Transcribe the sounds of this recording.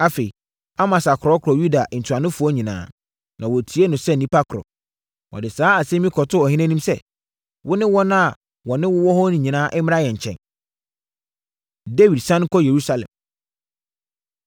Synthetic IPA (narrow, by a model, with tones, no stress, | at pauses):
a˦fe˨i˨ | a˦mã˨sa˨kʰʊɾɔ˦kʰɾɔ˨ju˦da˨ʔn̩˨tʰu˨a˨nʊ̃˦fʊ˨˦ɔ˦ɲĩ˨nã̰ː˦ | nʔã˨wɔ˨tʰi˨˦e˦nʊ̃˨sɛ˦n̩˨nĩ˦pʰa˦kʰʊɾɔ̰˨ | wɔ̰˨dɪ˨saː˨˦a˨sɛ̃˦mĩ˦kʰɔ˨tʰʊ˦ɔ˨hɪ̃˦næ̃˦nĩ˦msɛ˦ | wʔʊ˦nɪ̃˦wɔ˦nã˦a˨ | wɔ˨nɪ̃˦wʊ˦wɔ˦hɔ˦nʊ̃˨ɲĩ˨nãː˦ʔɪ˦m˦a˦jɛ˨ɲ̩˨t͡ɕʰɛ̰̃˨n | de˦wi˨dsã˦n˦kʰɔ˦je˨ɾu˦sa˦lɛ̰̃˨m